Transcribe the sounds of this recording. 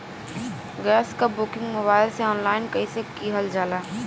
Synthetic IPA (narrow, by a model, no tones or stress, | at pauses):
ɡɛːskabʊkɪ̃ŋɡmobaːɪlseɔːnlaːɪnkəɪsekiɦəld͡ʒaːlaː